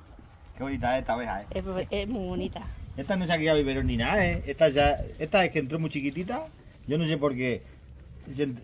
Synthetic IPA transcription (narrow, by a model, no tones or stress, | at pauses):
keβonit̪aeet̪aβeɦa̰eeemuβonit̪aet̪anos̬akiʝaβiβeɾoninaeet̪aʝaet̪aekent̪ɾomut͡ʃikit̪̬it̪̬a | ʝonos̬epo̞ɾke | sen